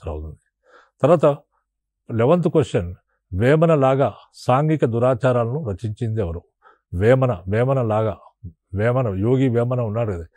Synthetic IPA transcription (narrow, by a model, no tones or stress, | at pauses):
ɾɐ̰wt̪und̪i | t̪ɐɾʋaːt̪ɐ | leʋɐnt̪̬ukesɐn | ʋɛːmɐnɐlaːɡaː | saːŋɡikɐd̪uɾaːt͡ʃaːɾaːlɐnuɾɐt͡ʃiɲt͡ʃind̪ɛːʋɐɾu | ʋɛːmɐnɐʋɛːmɐnɐlaːɡaː | ʋɛːmɐnɐjoːɡiʋɛːmɐnɐunːaːɽukɐd̪i